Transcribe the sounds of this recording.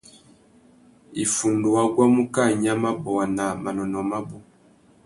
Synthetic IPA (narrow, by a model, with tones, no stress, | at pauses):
i˨fu˨ndu˨wa˦ɡwa˦mu˦ka˦˨ɲa˦ma˦bɔ˨wa˨na˨ma˨nɔ˨nɔ˨ma˦bɔ˨